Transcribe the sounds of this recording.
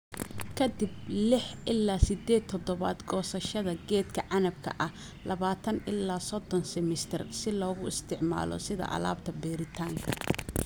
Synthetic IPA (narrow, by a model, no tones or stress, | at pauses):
kʰɐd̪ɪblɪħʔɪlːaːsɪd̪ɛːt̪ʰɔd̪ɔβaːd̪ɡɔːsɐʃɐðɐɡɛːd̪kʰɐʕɑnɐb̚kʰɐ̰ʔɐh | lɐβaːt̪ʰɐnʔɪlːaːsɔd̪ɔnsɛmɪst̪ʰɪrsɪlɔːɣʊɪst̪ʰɪʕma̰ːlɔ̰sɪðɐ̰ʔɐ̰la̰ːbt̪ʰɐbɛːɾɪt̪ʰaːŋkʰɐ